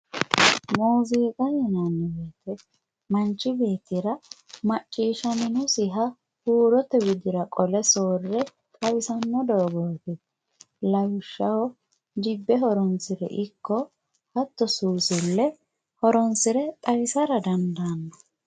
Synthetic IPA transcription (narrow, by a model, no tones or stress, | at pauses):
moːziːkʼɐjɛnɐnːɪbeːt̪ɛ | mɐnt͡ʃːɪbe̞ːt̪ɪɾɐmɐt͡ʃʼːiːʃɐnɪnʊsɪɦɐ | huːɾɔt̪ːɛbɪd̪ɪɾɐkʼɔlɛsoːrːɛ | kʼɐwɪsɐnːɔd̪oɡoːɡɛ | lɐwɪʃːɐwɔ | d͡ʒɪbːɛɦɔɾɔnsɪɾɛ̰ʔɪkːɔ | hɐt̪ːɔsuːsɪlːɛ | hɔɾɔnsɪɾɛt̪ʼɐjɪsɐɾɐd̪ɐnd̪ɐnːɔ̥